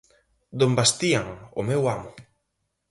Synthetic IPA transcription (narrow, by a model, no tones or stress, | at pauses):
d̪ombast̪iaŋʊmewamʊ